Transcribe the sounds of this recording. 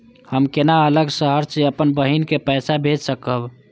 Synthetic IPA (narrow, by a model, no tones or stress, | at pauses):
həmkenaələɡsəɦəɾt͡ʃiəpənbəɦinkepəsabʱed͡ʒsəkəb